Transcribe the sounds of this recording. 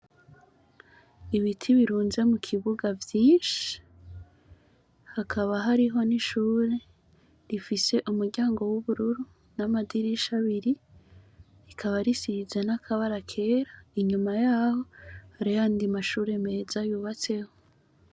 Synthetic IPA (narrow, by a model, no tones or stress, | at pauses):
iβitʰiβiɾuːnze̞mukʰiβuɡavjiːʃi̥ | hakʰaβaɦaɾiɦo̞niʃuːɾe̞ | ɾifise̞ʔumuɾɟaːŋɡo̞wuβuɾuɾu | namadiɾiʃaβiɾi | ɾikʰaβaɾisiizenakʰaβaɾakʰe̞ːɾaiɲumajaːho̞haɾijaːndimaʃuːɾe̞me̞ːzajuːβat͡se̞ho